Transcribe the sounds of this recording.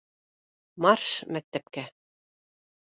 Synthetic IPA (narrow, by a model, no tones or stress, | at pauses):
mɑrʃmæk̚t̪æp̚kæ